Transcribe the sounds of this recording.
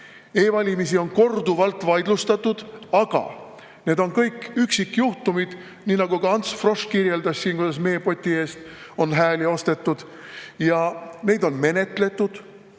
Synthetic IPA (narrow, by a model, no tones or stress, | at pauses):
e̞ːvɑlʲimisio̞nko̞rd̪uvɑlt̪ːˑvɑjd̪lust̪ɑt̪ːˑud̪̥ɑɡ̥ɑ̰ | ne̞ːd̪̥o̞nkɤjkːyksikːˑjuht̪umid̪̥ | niːnɑɡ̥uɡ̥ɑɑnt̪sfro̞ʂkirje̞ld̪ɑssiːnkud̪̥ɑsme̞jepo̞t̪ʲːie̞ːst̪o̞nɦæːlio̞st̪e̞t̪ːˑud̪̥ | jɑme̞jd̪o̞nme̞ne̞t̪ˑle̞t̪ːˑud̪̥